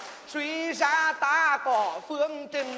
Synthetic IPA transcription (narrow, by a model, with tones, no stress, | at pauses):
swi˧˦zaː˧t̪aː˧kɔ˨˩˦fɨ˧əŋt͡ɕï˧˩ŋ̟